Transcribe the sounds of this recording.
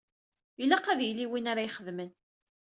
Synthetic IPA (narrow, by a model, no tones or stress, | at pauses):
ilæqːæðjliwinaɾajχəðmən